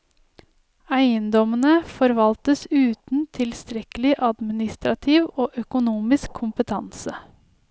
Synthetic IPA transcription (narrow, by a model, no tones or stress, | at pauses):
æɪənd̪ɔmənəfɔɾʋɑlt̪əsʉːt̪n̩t̪ʰɪlst̪ɾɛkəlɪʔɑd̪mɪnɪst̪ɾɑt̪ʰiʋoːʔœkʊnuːmɪskʰːʊmpət̪ʰɑnsə